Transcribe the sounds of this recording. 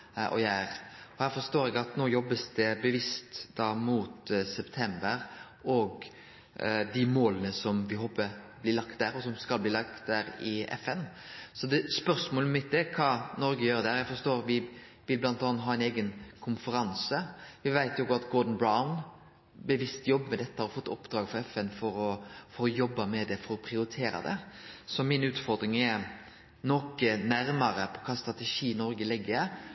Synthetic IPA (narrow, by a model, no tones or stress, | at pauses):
ʔɔ̰jæːɾɔhæːɾfɔɾst̪oːɾɛɡɑt̪noːjɔbːəsd̪ɛbəʋɪst̪d̪ɑːmuːt̪sɛpt̪ʰɛmbəɾ | ɔɡ | d̪ɪmoːlənəsɔmʋɪɦoːpəblɪːlɑkt̪̚d̪æːɾɔsɔmskɑlbliːlɑkt̪̚d̪æːɾɪɛ̰fɛn | sɔd̪ɛspœɾsmoːləmɪt̪̚d̪ɛkʰɑːnɔɾɡəjøːɾd̪ɛhæɾæfɔɾst̪oːɾʋɪ | ʋɪlblɑnt̪ɑːnt̪ɦɑːɛɪneːɡənkʰʊnfəɾɑnsəʋɪʋæɪt̪jʊɡʊɑt̪ɡɔɾd̪n̩bɾaʊn | bəʋɪst̪jɔbːmɛd̪ɛt̪ːəhɑɾɔfɔt̪ːɔ̰pd̪̥ɾɑːɡfɔɾɛfɛnfɔɾɔfɔɾɔjɔbːɑmɛd̪ɛfɔɾɔpʰɾɪʊɾɪt̪ʰeːɾɑ̰d̪ɛ̰sɔmɪnʉːt̪fɔɾd̪ɾɪŋɛɾ | nɔkːənæɾmɑɾəpʰɔkʰɑːst̪ɾʁɑt̪ɛʂiːnɔɾɡəlɪɡːəɾ